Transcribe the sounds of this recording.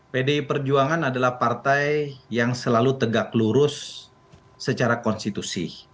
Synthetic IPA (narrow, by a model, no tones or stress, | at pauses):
pedeipərd͡ʒuaŋanadalahpart̪ajːaŋsəlalut̪əɡakluɾʊsː | ət͡ʃaɾakɔnst̪it̪usḭ